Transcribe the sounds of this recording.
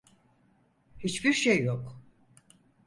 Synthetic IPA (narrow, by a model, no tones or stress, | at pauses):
hit͡ʃbiɾʃejːok